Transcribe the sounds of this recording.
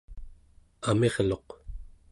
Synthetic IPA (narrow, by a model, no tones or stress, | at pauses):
ame̞ʁlo̞q